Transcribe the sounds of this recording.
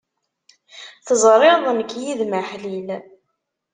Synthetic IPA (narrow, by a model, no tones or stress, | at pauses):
θəzˤɾˤɪɾðˤnəkːjiðməħlil